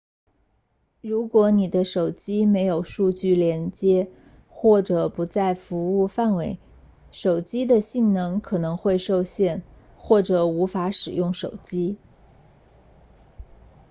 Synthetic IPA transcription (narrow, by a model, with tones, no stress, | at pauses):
ɻu˧˥kwɔ˧˥ni˨˩d̪ə˦ʂo˨˩ʊt͡ɕi˥me˧˥ɪjo˨˩ʊʂu˥˧t͡ɕy˥˩ljɛ˧˥nt͡ɕjɛ˥ | xwɔ˥˩ʈ͡ʂɤ˨˩pu˧˥t͡sa˥˩ɪfu˧˥u˥˧fa˥˩nwe˧˥ɪ | ʂo˨˩ʊt͡ɕi˥d̪ə˨ɕi˥˩ŋnɤ˧˥ŋkʰɤ˨˩nɤ˧˥ŋxwe˥˧ɪʂo˥˧ʊɕjɛ˥˧n | xwɔ˥˩ʈ͡ʂɤ˨˩u˧˥fa˧˥ʂɻ̩˨˩jʊ˥˩ŋʂo˨˩ʊt͡ɕi˥